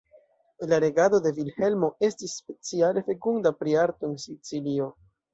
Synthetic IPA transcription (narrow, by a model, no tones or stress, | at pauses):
laɾe̞ɡado̞de̞vilhe̞lmo̞e̞stisːpe̞t͡siale̞fe̞kundapɾiaɾto̞ensit͡silio̞